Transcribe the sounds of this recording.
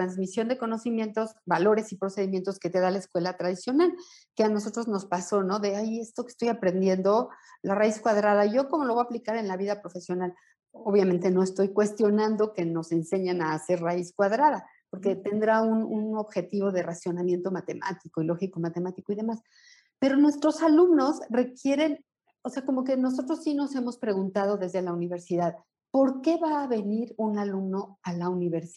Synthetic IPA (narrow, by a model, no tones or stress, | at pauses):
t̪ɾanzmisjo̞nd̪e̞ko̞no̞simje̞nt̪o̞zbalo̞ɾe̞sipɾo̞se̞ð̞imje̞nt̪o̞ske̞t̪e̞ðalaeskwe̞lat̪ɾaðisjo̞nal | keano̞so̞t̪ɾo̞zno̞spaso̞no̞ðe̞aje̞st̪oke̥st̪o̞japɾe̞nd̪je̞nd̪o̞laraiskwaðɾaðaʝo̞ko̞molo̞β̞aplikaɾe̞nlaβiðapɾo̞fe̞sjo̞nal | oβjament̪e̞no̞e̞st̪o̞jkwe̞st̪jo̞nãnd̪o̞ke̞no̞se̞nse̞ɲanaːse̞ɾraiskwaðɾaða | po̞ɾke̞t̪e̞nd̪ɾaununo̞βxe̞t̪iβo̞ðe̞rasjo̞namje̞nt̪o̞mat̪e̞mʔa̰t̪iko̞ilo̞xiko̞mat̪e̞mat̪iko̞iðe̞mas | pe̞ɾo̞nwe̞st̪ɾo̞salumno̞sre̞kje̞ɾe̞n | ose̞ako̞mo̞k̬e̞no̞s̬o̞t̪ɾosːino̞se̞mo̞spɾe̞ɣ̞unt̪að̞o̞ðe̞zðe̞launiβe̞ɾsiðað | po̞ɾke̞βaːβe̞niɾunalumno̞alauniβeɾs